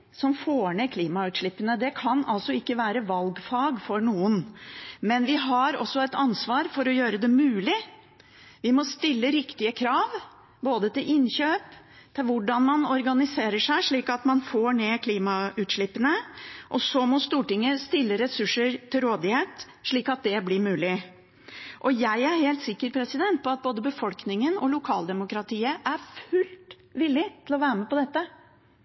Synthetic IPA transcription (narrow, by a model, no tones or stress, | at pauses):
sɔmfoːɳeːkʰliːmɑʉːt̪ʂɭɪpːənəd̪ɛkʰɑnɑlsɔɪkːəʋæːɾəʋɑlɡfɑːɡfɔɾɳuːənmɛnʋɪɦɑɾɔ̰sːɔɛt̪ɑnsʋɑːɾfɔɾɔjøːɾəd̪ɛmʉːlɪ | ʋɪmɔst̪ɪlːəɾɪkt̪ɪəkʰɾɑːʋ | boːd̪ət̪ɪlʔɪnçøːp | t̪ʰɪlʋʊɖɑnmɑnɔɾɡɑnɪseːɾəʂæɪʂɭiːkɑt̪mɑnfoːɳeːkʰliːmɑʉːt̪ʂɭɪpːənəʔɔsɔmɔst̪uːʈɪŋːəst̪ɪlːəɾɛsʉʂəɾt̪ʰɪlɾoːd̪ɪheːt̪ | ʂɭiːkɑt̪̚d̪ɛblɪɾmʉːlɪ | ʔɔjæɪæɾheːlt̪sɪkːəɾpʰɾɛsɪd̪ɛnt̪̚pʰɔɑt̪̚boːd̪əbəfɔlknɪŋənɔlʊkʰɑːld̪ɛmʊkɾɑt̪ʰiːəʔæɾfʉlt̪ | ʋɪlːɪt̪ʰɪlɔʋæːɾəməpɔd̪ɛt̪ːə